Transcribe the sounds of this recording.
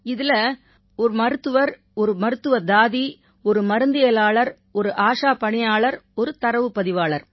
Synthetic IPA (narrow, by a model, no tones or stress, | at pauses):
ɪðɪlɐ | ɔɾɯmɐɾɯt̪ːɯʋɐɾ | ɔɾɯmɐɾɯt̪ːɯʋɐd̪aːði | ɔɾɯmɐɾɯnd̪ɪjɐlaːɭɐɾ | ɔɾɯʔaːʂaːpɐɳɪjaːɭɐɾɔɾɯt̪ɐɾɐʋɯpːɐðɪʋaːɭɐɾ